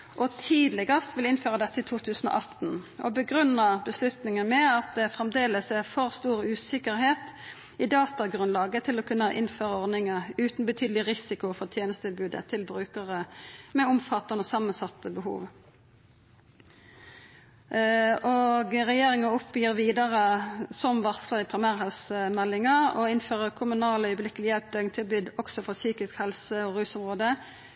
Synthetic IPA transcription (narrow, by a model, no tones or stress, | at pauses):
ʔɔt̪ʰiːd̪lɛɡəst̪ʋɪlɪnføːʁəd̪ɛt̪ːəɪt̪ʰuːt̪ʰʉːsn̩o̰ʔɑt̪n̩ɔ̰bəɡʁʉnəʁbəslʉt̪nɪŋənmɛɑt̪̚d̪ɛfʁɛmd̪eːləsæfɔʁst̪uːʁʉːsɪkəʁheːt̪ | ɪd̪ɑːt̪ɑɡʁʉnlɑːɡət̪ʰɪlɔkʰʉnːəʔɪnføːʁəɔʁd̪nɪŋəʁʉːt̪n̩bət̪ʰyːd̪l̩ɪʁɪsɪkʊfɔʁt̪ʰjeːnəst̪ʰɪlbʉːd̪ə̰t̪ʰɪlbʁʉːkəʁəmɛʊmfɑt̪ːɑnəoːsɑmːənsɑt̪ːəbəhṵːʋ | ʔoɡʁɛjeːʁɪŋəʊpjiːʁʋiːd̪əʁəsɔmʋɑʁsləʁɪpʰɾɪmæːʁhɛlsəmɛlːɪŋəɔ̰ɪnføːʁəkʰʊmʉnɑːlœʏəblɪkəlɪjɛlp̚d̪øːɪŋt̪ʰɪlbyːd̪ɔksɔfɔʁsyːkɪskhɛlsəɔʁʉːsʊmʁoːd̪ə